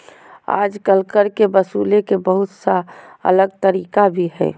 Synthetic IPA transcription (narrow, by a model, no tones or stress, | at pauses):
a̰ːd͡ʒkəlkəɾkebəsuːlekebəɦʊt̪saə̰ləɡ̚t̪əɾiːkabʱiɦɛ̰ː